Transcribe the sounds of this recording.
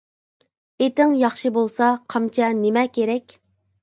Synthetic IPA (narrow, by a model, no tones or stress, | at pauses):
et̪ɪŋjɑχʃɨbolˠsɑqʰɑmt͡ʃʰɛnemɛkʲʰeɾɛkʲ